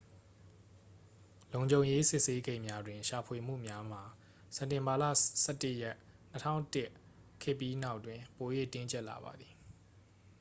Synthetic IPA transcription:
lõ˨ʊ̃ɲd͡ʑõ˨ʊ̃je˦sɪ˦ʔse˦ɡẽ˦˨ɪ̃mja˦dwɪ̃˨ʃa˨pʰwe˨m̥ṵ˦˨mja˦m̥a˨ | sɛ̃˨ntɪ̃˨mba˨lä̰˦˨sɛ˦˨tɪ˦ʔjɛ˦ʔ | nətʰã̰˦˨ʊ̃tɪ˦ʔ | kʰɪ˦˨pːji˦na˦ʊʔtwɪ̃˨po˨jwḛ˦˨tɪ̃˦ɲt͡ɕɛ˦ʔla̰˨ba̰˨d̪ði˨

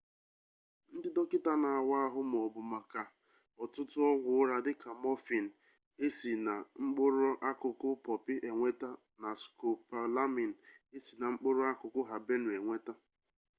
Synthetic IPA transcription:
n̩˦dɪ˦dɔ˦kɪ˦ta˦na˨a˨wa˦a˦ɦʊ˦m˨ɔ˨bʊ˨ma˨ka˨ | ɔ˨tʊ˦tʊ˦ɔ˦ɡʷʊ˨ʊ˦ɾa˨dɪ˦ka˨mɔ˦fi˨n̩˨ | e˦si˨na˨ŋ͡m̩˦k͡pʊ˦ɾʊ˦ʔa˦kʊ˨kʊ˦pɔ˨pɪ˦ʔe˨ŋʷe˦ta˦ | na˨sko˨pa˨la˦mi˨n̩˨e˦si˨na˨ŋ͡m̩˦k͡pʊ˦ɾʊ˦a˦kʊ˨kʊ˦ɦa˨be˦nʊ˨e˨ŋʷe˦ta˦

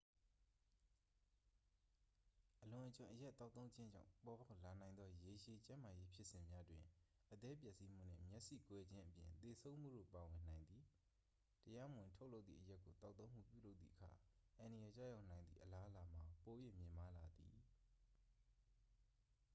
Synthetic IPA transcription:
ʔəlʊ̃˨ʔət͡ɕã˨ʔəja˦ʔt̪ːa˦ʊt̪θõ˦ʊ̃ɲd͡ʑɪ̃˦ɲd͡ʑã̰˦˨ʊ̃pɔ˨ba˦ʊla˨nã˨ɪ̃nd̪ðɔ˦je˨ʃe˨t͡ɕã˦ma˨je˦pʰjɪ˦ʔsɪ̃˨mja˦dwɪ̰̃˨ | ʔət̪ɛ˦pjɛ˦ʔsi˦m̥ṵ˦˨n̥ɛ̰̃˦˨mjʔsḭ˦˨kwɛ˦d͡ʑɪ̃˦ʔəpjɪ̰̃˨nt̪e˨sʰõ˦ʊ̃m̥ṵ˦˨do̰˦˨pa˨wɪ̃˨n̥ã˨ɪ̃nd̪ði˨ | təja˦mə˨wɪ̃˨ntʰo˦ʊʔlo˦ʊt̪θḭ˨ʔəja˦kːo˨t̪a˦ʊt̪θõ˦ʊ̃m̥ṵ˦˨pjṵ˦˨lo˦ʊt̪θḭ˦˨ʔəkʰa̰˨ʔã˨ndə˨jɛ˨t͡ɕa̰˦˨ja˦ʊnã˨ɪ̃nd̪ḭ˦˨ʔəla˦ʔəla˨m̥a˨po˨je˦˨mjɪ̃˨ma˦la˨d̪ḭ˨

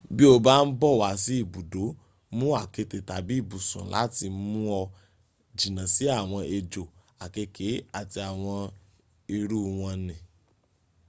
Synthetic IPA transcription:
bi˦o˧ba˦n̩˦bɔ˦˨wa˨˦˨si˨˦i˦˨bu˨do˨˦ | mũ˦a˦˨ke˧te˨ta˨bi˨˦i˦˨bu˨sṵ̃˨la̰˨˦ti˧mũ˦ɔ˧ | d͡ʒi˨nã˨si˨˦a˦˨w̃ɔ̃˧ʔe˧d͡ʒo˨ | a˨ke˧kʰe˨˦a˦˨ti˧a˨w̃ɔ̃˧ | i˧ɾu˦w̃ɔ̃˧nĩ˨

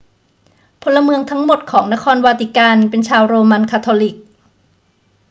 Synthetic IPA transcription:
pʰo˧nlːa˧mɯ˧əŋt̪ʰa˦˥ŋmo˨˩t̪̚kʰɔː˩˦ŋna˦˥kʰɔː˧nwaː˧t̪i˨˩kaː˧npe˧nt͡ɕʰaː˧wɾoː˧ma˧nkʰaː˧t̪ʰoː˧li˨˩k̚

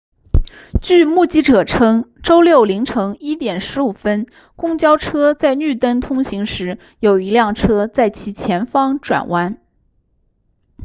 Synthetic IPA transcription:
t͡ɕy˥˧mu˥˩t͡ɕi˥ʈ͡ʂɤ˨˩ʈ͡ʂʰɤ˥ŋʈ͡ʂo˥ʊljo˥˩ʊli˧˥ŋʈ͡ʂʰɤ˧˥ŋi˥t̪jɛ˨˩nʂɻ̩˧˥u˨˩fə˥n | kʊ˥ŋt͡ɕjɑ˥ʊʈ͡ʂʰɤ˥t͡sa˥˧ɪny˥˩t̪ə˥nt̪ʰʊ˥ŋɕi˧˥ŋʂɻ̩˧˥ | jo˨˩ʊi˧˥ljɑ˥˩ŋʈ͡ʂʰɤ˥t͡sa˥˩ɪt͡ɕʰi˧˥t͡ɕʰjɛ˧˥nfɑ˥ŋʈ͡ʂwa̰˨˩nwʔa˥n

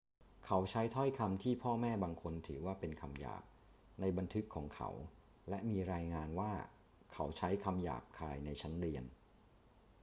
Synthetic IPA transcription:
kʰa˨˦wt͡ɕʰa˦˥jt̪ʰɔ˥˩jkʰa˧mt̪ʰiː˥˩pʰɔː˥˩mɛː˥˩baː˧ŋkʰo˧nt̪ʰɯː˩˦waː˥˩pe˧nkʰa˧mja̰ː˨˩p̚ | na˧jba˧nt̪ʰɯ˦˥kʰːɔː˩˦ŋkʰa̰˦˥w | lɛ˦˥miː˧ɾaː˧jŋaː˧nwaː˥˩ | kʰa˩˦˥wt͡ɕʰa˦˥jkʰa˧mja̰ː˨˩p̚kʰaː˧jna˧jt͡ɕʰa˦˥nɾi˧ən

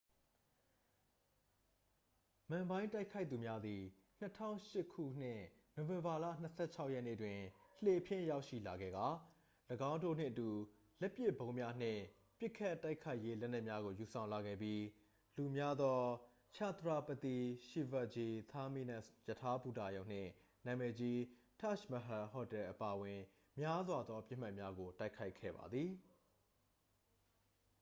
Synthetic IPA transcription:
mã˨mbã˦ɪ̃nta˦ɪkʰa˦ɪt̪θu˨mja˦d̪i˨ | n̥ətʰã̰˦˨ʊ̃ʃɪ˦kʰṵ˦˨n̥ɪ̰̃˦˨ | no˨wɪ̃˨mba˨lä̰˦˨n̥əsʰɛ̰˦˨t͡ɕʰa˦ʊʔjɛ˦ʔne˦˨ətwɪ̃˨l̥e˨pʰjɪ̰̃˦˨ja˦ʊʔʃḭ˦˨la˨ɡɛ̰˦˨ɡa˨˦ | ləɡã˦ʊ̃ndo̰˦˨n̥ɪ̰̃˦˨ʔətu˨ | lɛ˦pjɪ˦˨bõ˦ʊ̃mja˦n̥ɪ̰̃˦˨ | pjɪ˦ʔkʰːa˦˨ta˦ɪkʰa˦ɪʔje˦lɛ˦ʔn̥ɛ˦ʔmja˦ɣo˨ju˨sʰã˨ʊ̃la˨ɡɛ̰˦˨bji˦ | lu˨mja˦d̪ðɔ˦ | t͡ɕʰa˦˨t̪ɹa˦˨pə˨t̪i˦˨ʃi˦˨va˦˨ʔd͡ʑi˨t̪ʰa˦mi˦˨nã˦˨jə˨tʰa˦pu˦˨ta̰˨jõ˨n̥ɪ̰̃˦˨ | nã˨mɛ˨d͡ʑi˦ | tʰa˦ʃmə˨ɦa˨hɦɔ˦˨tɛ˨ʔəpa˨wɪ̃˨ | mja˦zwa˨d̪ðɔ˦pjɪ˦m̥a˦ʔmja˦ɡo˨ta˦ɪkʰa˦ɪkʰːɛ̰˦˨ba̰˨d̪ði˨

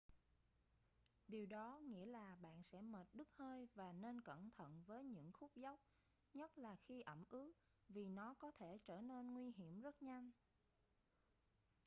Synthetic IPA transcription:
ɗi˨˩əwɗɔ˨˦ŋḭ˧˥əlaː˨˩ɓa̰ː˧˨nsɛ̰˧˥məː˨˩t̚ɗɨ˦˥k̚həː˧jvaː˨˩ne˧nkə̰˧˩nt̪ʰə̰˧˨nvəː˨˦jɲɨ̰˧˥ŋxu˦˥p̚za˦˥wk͡p̚ | ɲə˦˥t̚laː˨˩xi˧ʔə˧˩mʔɨ˨˦ək̚ | vi˨˩nɔ˨˦kɔ˨˦t̪ʰe˧˩t͡ɕəː˧˩ne˧nŋwi˧ɦi˧˩˨əmzə˦˥t̚ɲa˧jŋ

